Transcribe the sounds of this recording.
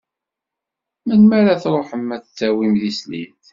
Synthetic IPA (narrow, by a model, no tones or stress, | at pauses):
mænmæɾaθɾˤoħəmːæθt͡sːæwimðislḭθ